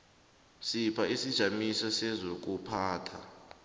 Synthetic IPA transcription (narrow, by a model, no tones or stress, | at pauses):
sipʰaisid̥ʒ̥ʱamisɔsɛzok̬upʰaːtʰa